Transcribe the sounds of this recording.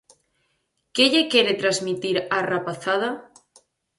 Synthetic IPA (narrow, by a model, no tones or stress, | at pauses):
keʎekje̞ɾet̪ɾazmit̪iɾarapaθað̞a